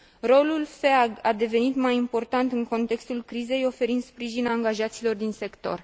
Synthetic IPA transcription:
ro̞lulfeaɡad̪e̞ve̞nit̪majimpo̞rt̪ant̪ɨŋko̞nt̪e̞kst̪ulkɾize̞jo̞fe̞ɾind̪spɾiʒinaŋɡaʒat̪silo̞rd̪inse̞kt̪o̞̰r

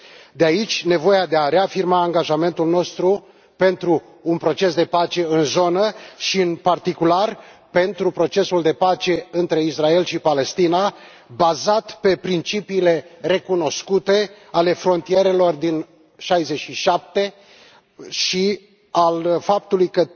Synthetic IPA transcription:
d̪eait͡ʃʲne̞vo̞jad̪eaɾe̞afirmaːŋɡaʒame̞nt̪ulno̞st̪ɾu | pe̞nt̪ɾuː | npɾo̞t͡ʃe̞sd̪e̞pat͡ʃe̞ɨnzo̞nəʃiɨnpart̪ikularpe̞nt̪ɾupɾo̞t͡ʃe̞suld̪e̞pat͡ʃe̞ɨnt̪ɾe̞israe̞lʃipale̞st̪ina | bazat̪pe̞pɾint͡ʃipiːle̞re̞kuno̞skut̪e̞ | ale̞fɾo̞nt̪ije̞ɾe̞lo̞rd̪in | ʃajzeʃiʃap̚t̪e̞ | ʃi | alfap̚t̪ulujkə

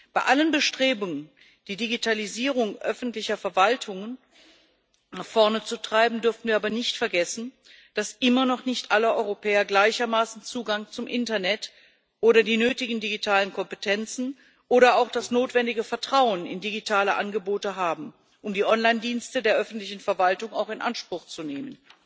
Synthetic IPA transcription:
b̥aɪʔalənbəʃtʁ̥eːbʊŋən | d̥iːdiɡitʰaliziːʁ̞ʊŋʔœfn̩tlɪçɐfɛɐvaltʰʊŋən | naχfɔɐnət͡sutʁ̥aɪbm̩dʏɐfn̩viːɐaːbɐnɪçtfɛɐɡɛsn̩ | d̥asʔɪmɐnɔχnɪçtʔaləʔɔʏʁopʰɛːɐɡlaɪçɐmaːsn̩t͡suːɡaŋt͡sʊmʔɪntɐnɛt | ʔoːɾɐdiːnøːtɪɡŋ̩diɡitʰaːlənkʰɔmpətʰɛnt͡sn̩ | ʔoːɾɐaʊxd̥asnoːtv̥ɛndɪɡəfɛɐtʁ̥aʊənɪ̰ndiɡitʰaːləʔa̰nɡəboːtəɦaːbm̩ | ʔʊmdiːʔɔnlaɪndiːnstədeːɐʔœfn̩tlɪçn̩fɛɐvaltʊŋaʊxɪnʔa̰nʃpʁ̥ʊxt͡suneːmən

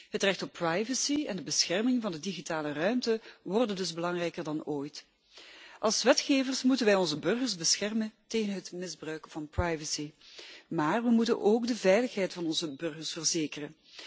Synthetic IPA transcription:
ɦətrɛxtɔpːrajvəsiɛndəbəsxɛrmɪŋvɑndədiɣitaːlərœɥmtəʋɔrdəndɵzbəlɑŋrɛjkərdɑnoːjt | ʔɑlˠsʋɛtxeːvərsmutənʋɛjɔnzəbɵrɣərzbəsxɛrmənteːɣənɦətmɪzbrœɥkv̥ɑnprajvəsimaːrʋəmutə̰nʔoːɡdəvɛjləxɦɛjtfɑnɔnzəbɵrɣərsfərzeːkərən

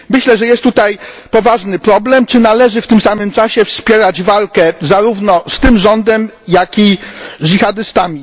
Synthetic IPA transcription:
mɘɕlɛʐɛjɛst̪ːut̪ajpɔvaʐnɘpɾɔblɛmt͡ʂɘnalɛʐɘft̪ɘmsamɘmt͡ʂaɕɛfspʲjɛɾad͡ʑvalkɛzaɾuvnɔst̪ɘmʐɔnd̪ɛmjakʲiʐixad̪ɘst̪amʲi

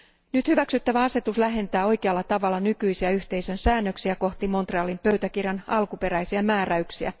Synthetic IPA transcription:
nyt̪hyʋæksyt̪ːæʋæɑse̞t̪uslæɦe̞nt̪æːo̞jkeɑlːɑt̪ɑʋɑlːɑnykyisiæyçt̪e̞ijsø̞nsæːnːøksiæko̞ht̪imo̞nt̪reɑlimpø̞yt̪ækirjɑnɑlkupe̞ɾæjsiæmæːɾæyksiæ̰

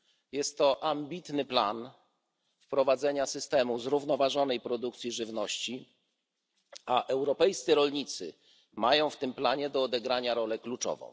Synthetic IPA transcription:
jɛst̪ːɔʔambʲit̪nɘpla̰n | fpɾɔvad̪zɛɲasɘst̪ɛmuzɾuvnɔvaʐɔnɛjpɾɔd̪uk̚t̪sʲjiʐɘvnɔɕt͡ɕi | aʔɛwɾɔpɛjst̪sɘɾɔlɲit̪sɘ̰ | majɔ̃w̃ft̪ɘmplaɲɛd̪ɔːd̪ɛɡɾaɲaɾɔlɛklut͡ʂɔ̰vɔ̰̃w̃

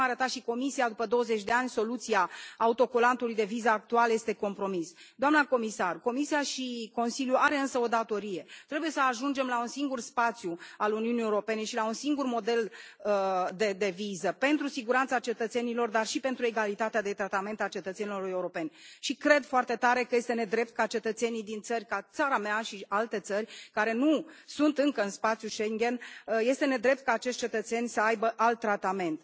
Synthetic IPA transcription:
aɾət̪at̪ʃiko̞misijad̪upəd̪o̞wəze̞t͡ʃʲd̪e̞anʲso̞lut̪siaːut̪o̞kolant̪ulujd̪e̞vizəak̚t̪ualje̞st̪e̞ko̞mpɾo̞misd̪oamnako̞misarko̞misiaʃiko̞nsiljuaɾe̞ɨnsəo̞d̪at̪o̞ɾije̞t̪ɾe̞buje̞səaʒund͡ʒe̞mlaunsiŋɡurspat̪sʲjualuniunijewuɾo̞pe̞ne̞ʃilaunsiŋɡurmo̞d̪e̞ləd̪ed̪e̞vizəpe̞nt̪ɾusiɡuɾant̪sat͡ʃe̞t̪ət̪se̞nilo̞rd̪arʃipe̞nt̪ɾue̞ɡalit̪at̪ead̪e̞t̪ɾat̪ame̞nt̪at͡ʃe̞t̪ət̪se̞nilo̞re̞uɾo̞pe̞nʲʃikɾe̞d̪foart̪e̞t̪aɾe̞kəje̞st̪e̞ne̞d̪ɾe̞p̚t̪̚kat͡ʃe̞t̪ət̪se̞nijd̪int̪sərʲkat̪saɾameaʃialt̪e̞t̪sərʲkaɾe̞nusunt̪ɨŋkəɨnspat̪sjuʃeŋɡʲe̞nje̞st̪e̞ne̞d̪ɾe̞p̚t̪̚kaːt͡ʃeʃt̪ʲt͡ʃe̞t̪ət̪se̞nʲsəajbəʔalt̪ːɾat̪ame̞nt̪

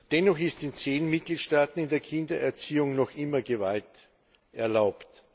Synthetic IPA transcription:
d̥ɛnɔχɪstɪnt͡seːnmɪt̚ɡ̥liːtʃtaːtn̩ɪndeːɐkʰɪndɐɛɐt͡siːʊŋnɔxʔɪmɐɡəvalt | ʔɛɐlaʊpt

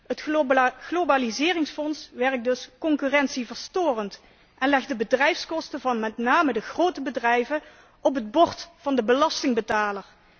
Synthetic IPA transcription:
ətɣlobaːlizɪːrɪŋsfɔnsʋɛɹk̚dɵskɔŋkyrɛnsivəɹstoːrənt | ʔɛnlɛx̚dəbədrɛjfskɔstəvɑnmɛtnaːmədəχrowtəbədrɛjvə | ʔɔpɦəd̚bɔɹtfɑndəbəlɑstɪŋbətaːləɹ

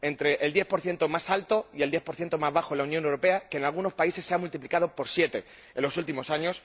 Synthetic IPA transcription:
e̞nt̪ɾe̞ʔeld̪je̞θpo̞ɾθje̞nt̪o̞masalt̪o̞ie̞ld̪je̞θpo̞ɾθje̞nt̪o̞mazβaxolaunjonewɾo̞pe̞ake̞nalɣuno̞spaise̞sːe̞amult̪iplikað̞o̞po̞ɾsje̞t̪e̞ | elo̞sult̪imo̞saɲo̞s

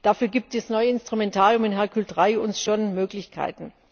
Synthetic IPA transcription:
d̥afyːɐɡiːp̚tɛsnɔʏəɪnstʁ̥ʊmɛntʰaːʁjʊmɪnɦɛɐkʰyltʁaɪʊnsʃonmøːklɪçkʰa̰ɪtn̩

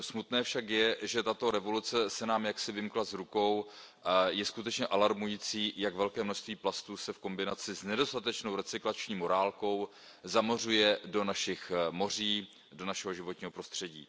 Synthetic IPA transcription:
smut̪nɛːfʃakjɛʒɛt̪at̪o̞ɾɛvo̞lut͡sɛsɛnaːmjaksɪvɪmklazɾuko̞w | jɛskut̪ɛt͡ʃɲɛʔalaɾmujiːt͡siːjaɡvɛlkɛːmnoʃst̪viːplast̪uːsɛfko̞mbɪnat͡sɪznɛdo̞st̪at̪ɛt͡ʃno̞wɾɛt͡sɪklat͡ʃɲiːmo̞ɾaːlko̞w | zamor̝ujɛdo̞naʃɪxmo̞r̝iː | do̞naʃɛɦo̞ʒɪvo̞t̪ɲiːɦo̞pɾo̞st̪r̝̥ɛɟiː

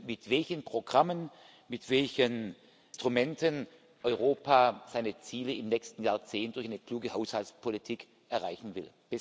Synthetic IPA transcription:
mɪtv̥ɛlçənpʁ̥oɡʁamən | mɪtv̥ɛlçən | stʁ̥umɛntʰən | ʔɔʏʁoːpʰaːz̥aɪnət͡siːləɪmnɛːkstn̩jaːɐt͡seːnt̚d̥ʊɐçaɪnəkl̥uːɡəhaʊshaltspʰolitʰiːk | ʔɛɐʁaɪçn̩vɪ̰l | b̥ɛ

